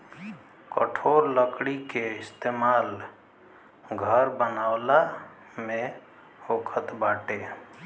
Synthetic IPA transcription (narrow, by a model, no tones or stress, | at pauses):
kə̰ʈʰoɾləkɽikeɪst̪eːmaːl | ɡʱəɾbənaʊla | mẽ | okʰət̪baːʈe